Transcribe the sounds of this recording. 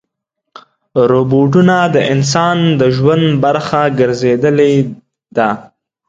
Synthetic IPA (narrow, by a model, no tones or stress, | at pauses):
ɾoboʈ̬unad̪əʔɪns̬ɑnd̪əʒwand̪baɾxaɡəɾzed̪əle | d̪a